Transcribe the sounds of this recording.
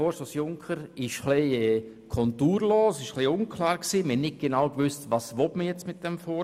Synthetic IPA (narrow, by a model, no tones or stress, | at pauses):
fɔːsosjʊŋkʰəɾɪʃχliɛ | kʰɔntuːɾloːsɪʃχliʊnkʰlaːɾksiːməhɛnnɪt̚ɡ̥enawkvʏstvɑːsʋɔtməjɛt͡smɪt̚d̥ɛmfɔ